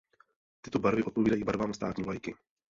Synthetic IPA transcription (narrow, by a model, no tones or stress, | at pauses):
t̪ɪt̪obaɾvɪʔo̞t̪po̞viːdajiːbaɾvaːmst̪a̰ːt̪ɲiːvlajkɪ